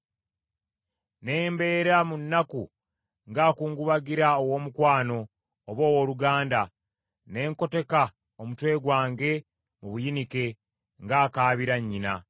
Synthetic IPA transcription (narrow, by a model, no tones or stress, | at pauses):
ne̞ːmbe̞ːɾamunːaku | ŋɡaːkuːŋɡuβaɡiɾaowo̞ːmukwaːno̞ː | βo̞ːwoluɡaːnda | ne̞ːŋko̞te̞ka | omutwe̞ːɡwaːŋɡe̞ | muβujinike̞ | ŋɡaːkaːβiɾaɲːina̰